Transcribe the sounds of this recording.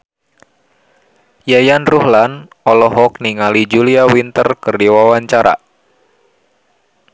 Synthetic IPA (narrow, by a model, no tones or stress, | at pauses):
jajanruhlan | ɔlɔɦɔk̚niŋalid͡ʒuliawint̪ərkɨrdiwawaɲt͡ʃaɾa̰